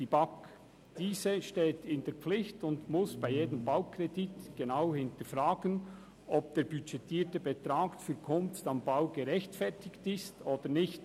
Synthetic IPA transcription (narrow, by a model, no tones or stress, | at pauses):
d̥ibɑk | d̥iːzəʃteːtʰɪndɛːɐp͡flɪçtʊndmʊsb̥aɪjeːdəmbaʊkrɛditɡ̥enaʊhɪntəfʁaːɡən | ʔɔp̚d̥eːɾbyt͡ʃɛtiːtəbetɾaːɡfyɾkʰʊnftɑmbaʊɡeʁɛçtfɛʁtʰɪktɪstoːd̥ənɪçt